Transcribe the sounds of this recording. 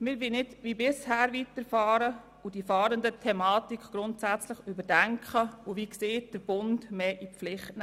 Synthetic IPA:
mɪɾʋinɪdʋibɪshæːɾʋitəɾfɑːɾə | ud̥ifɑːɾəndətʰɛmɑːtikʰɡ̥ɾʊntsæt͡slɪχybəɾdɛŋkʰχəuvikseːt̚d̥əɾb̥ʊndmeːʔiflɪχtn

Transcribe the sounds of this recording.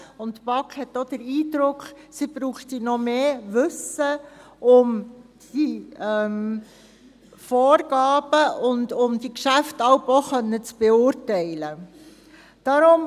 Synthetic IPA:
ʊntpɑkχhɛtːod̥̪əɾiːdɾʊkχ | sib̥ɾuːχtinɔmeːʋɵsə | ʔʊm | d̥iɛm | fɔːɾɡɑːb̥əʔʊndʊmd̥ikʃæftɑwpɔχœnːət͡sb̥ɛʊɾtɛɪlə | d̥ɑɾʊm

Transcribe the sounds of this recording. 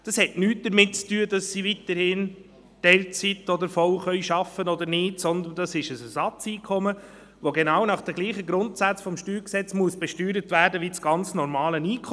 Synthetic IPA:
d̥ɑshɛtnyːtd̥əɾmɪt̚t͡styːədɑsːivitəɾhɪːn | d̥ɛlt͡sitɔd̪əɾfɔlχœʏʃɑfənɔd̪əɾnɪːtsɔnd̪əndɑsɪʃəsɛsɑt͡siːkʰɔmə | ʋoɡenɑːwnɑχd̥ɛɡ̥liːχəɡɾʊntsæt͡sfɔmʃtyːɾksɛt͡smuəsb̥ɛʃtyːɾətvæːɾdəʋit͡sɡ̥ɑnt͡snɔɾmɑːləniːkʰɔ

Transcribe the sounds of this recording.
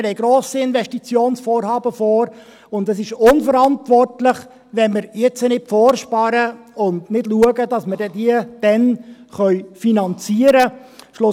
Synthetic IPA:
hɛɪɡɾoːsiɪnvɛʃtit͡sjoːnsfoːɾhɑːbəfoːɾ | ʊndɛsɪʃʊnfəɾɑntʋɔrtlɪχ | ʋɛnmɪɾjɛt͡sənɪtfɔːrʃpɑɾəʊndnɪdluəɡədɑsmədɛdiəd̥ɛnχœʏfinɑnt͡siəɾəʃlʊ

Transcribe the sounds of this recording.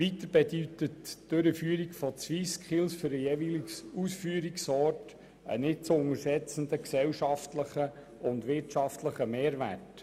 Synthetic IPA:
ʋit̪əɾb̥ɛd̪yt̪ətd̥øɾəfyːɾikfɔt͡sʋiskʰɪlsfʏɾəjevilsusfyːɾiksɔːrt | ə̰nɪt̚t͡sʊŋəɾsɛt͡sən̩d̪əksɛwʃɑftləχə | ʊnd̪ʋɪɾtʃɑftləχəmeːɾvært

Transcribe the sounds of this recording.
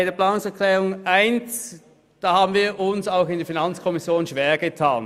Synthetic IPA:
aɪdeːɐpʰl̥aːnʊŋsɛɐkʰlɛːʁʊŋʔaɪns | d̥aːhaːbn̩viːɐʔʊnsaʊxɪndifinant͡skʰɔmɪsjoːnʃv̥eːɐɡətʰaːn

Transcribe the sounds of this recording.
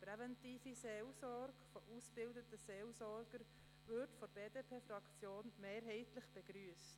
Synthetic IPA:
pɾɛvɛntiːfiseːlsɔɾɡ̥fɔʔusb̥ɪldətəseːlsɔɾɡ̥əɾ | ʋɪɾtfɔbeːdeːpʰeːfɾɑkt͡sjoːnmeːɾɦɛɪtlɪχb̥ɛɡɾyəst

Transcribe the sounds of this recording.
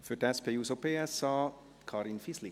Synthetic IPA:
føʈɛspeusopeɛsɑː | kʰɑːɾɪnfisli

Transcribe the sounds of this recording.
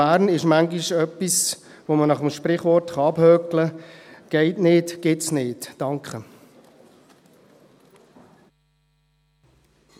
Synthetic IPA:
æːɾnɪʃmæŋɡiʃœpːis | ʋomənɑχəmʃpɾɪχʋɔrtχɑɑbhœkləɡ̥ɛɪtnɪːtɡ̥ɪtsnɪːtd̥ɑŋkχə

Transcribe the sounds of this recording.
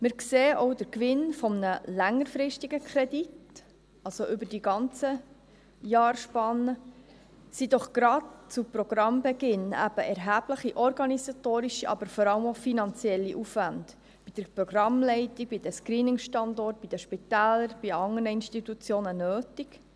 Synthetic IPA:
mɪɾkseːʔɔʊd̥əɾkʋɪnfɔmnəlæŋːəɾfɾɪʃtiɡ̥əkʰɾɛdit | ɑlsoʔʏbədiɡɑnt͡sə | jɑːrʃpɑnːə | sid̥̪ɔχɡ̥ɾɑtt͡supɾɔɡ̥ɾɑmbɛɡɪnæ̰b̥əʔɛɾɦæːb̥ləχiʔɔɾɡɑnisɑtoːɾiʃiʔɑ̰bəɾfɔɾɑləmofinɑnt͡sjɛlːiʔufʋænd̥ | b̥id̪̥əɾpɾɔɡ̥ɾɑmlɛɪtiɡ̥̚b̥id̥̪əskɾiːnɪŋʃtɑndɔrt̚b̥id̥əʃpitæːləɾb̥iɑŋəɾnəinstit̪ut͡sjoːnənøːtik

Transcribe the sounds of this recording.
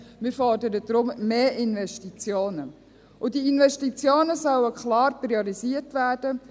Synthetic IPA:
mɪɾfɔrdəɾəd̥ɾʊmmeːʔɪnʋɛʃtit͡sjoːnə | ʔʊdiinʋɛʃtit͡sjoːnəsœwəkχlɑːrpɾiɔɾisiərtʋæːd̥ə

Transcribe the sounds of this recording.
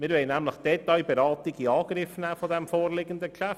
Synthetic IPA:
mɪːɾʋɛɪnæmləχd̥ɛt̪ajbeɾɑːt̪iɡiɑːɡ̥ɾɪfnæːfɔdɛmfoːrlɪɡənd̪əkʃæft

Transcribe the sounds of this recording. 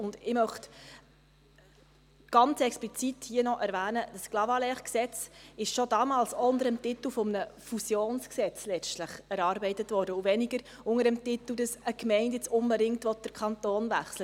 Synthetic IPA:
ʊndɪmœχt | ɡ̥ɑnt͡sɛksplit͡sithiənɔʔæɾʋæːnəd̥əsklɑvɑlɛχksɛt͡sɪʃʃɔdɑmɑːlsɔʊndəɾəmtɪt̪əl̩fɔmənəfusjoːnsksɛt͡slɛt͡ʃtləχɛɾɑːɾbɛɪtətʋɔːɾdəuvɛniɡəɾ | ʊŋəɾəmtɪt̪əl̩ˠdəsəkmɛɪndjɪt͡sʊmbəɾɪŋktʋɔt̚d̥əɾkʰχɑntoːnvæχslə

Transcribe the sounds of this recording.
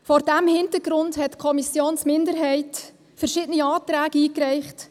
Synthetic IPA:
fɔɾdæmhɪntəɾɡ̥ɾʊndhɛtkʰɔmisjoːnsmɪndəɾɦɛɪt | fəɾʃɪdəniɑːtɾæːɡəiːkrɛɪχt

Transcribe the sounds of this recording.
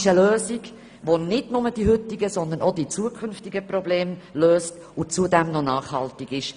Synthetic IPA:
ʃəløːziɡ | ʋonɪdnʊməd̥iɦʏt̪iɡəsɔnd̪ənɔd̥̪it͡suəkʰʏnftiɡəprɔbleːmløːst | ʊt͡sud̪ɛmnɔnɑːχhɑlt̪ɪɡ̥ɪʃ

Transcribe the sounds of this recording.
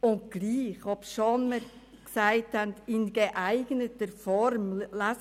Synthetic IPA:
ʊntɡ̥liːχɔpʃɔnmə | ksæɪthændɪnɡ̥eʔæɪɡnətəɾfɔɾmlæs

